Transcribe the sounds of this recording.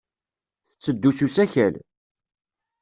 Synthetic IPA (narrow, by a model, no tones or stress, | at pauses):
θət͡sːəd̪ːususæçæl